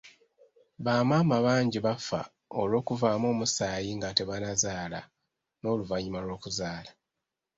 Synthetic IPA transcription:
βaːmaːmaβaːɲɟiβafa̰ | o̞lwo̞ːkuvaːmo̞ːmusaːjiŋɡate̞βanazaːla̰ | no̞ːluvaɲimalwo̞ːkuzaːla

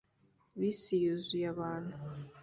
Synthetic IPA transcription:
βisijuzujaβaːnu

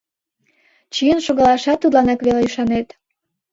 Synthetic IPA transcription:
t͡ɕijənʃoɣɑlɑʃɑt̪ːud̪lɑnɑkβeleyʃɑnet̪

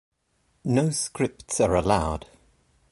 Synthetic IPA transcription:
noʊskɹɪp̚tsəɹəlaʊd̥

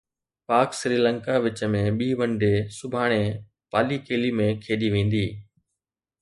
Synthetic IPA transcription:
paːksɾiːlə̃ŋkaʋɪt͡ʃəmẽɓiːʋə̃ɳɖeːsʊbʱaːɽ̃e | paːliːkeːliːmẽkʰeːɗiʋẽːn̆d̪iː

